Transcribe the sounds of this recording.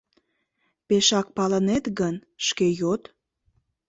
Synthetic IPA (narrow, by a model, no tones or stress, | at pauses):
peʃɑk̚pɑlənet̪ɣənʃkejot̪